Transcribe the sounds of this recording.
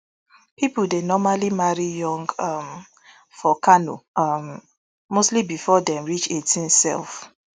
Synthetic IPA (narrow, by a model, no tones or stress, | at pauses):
pipudenɔmalimaɹijɔ̃ŋɡʌm | fɔkʰano̰ʌmː | ostlibifɔdɛ̃mɹit͡ʃetʰĩnsɛ̰lˠf